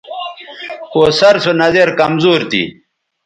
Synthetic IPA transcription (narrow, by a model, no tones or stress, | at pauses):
koːsɐɾsonɐzeɾkɐmzuːɾt̪ḭː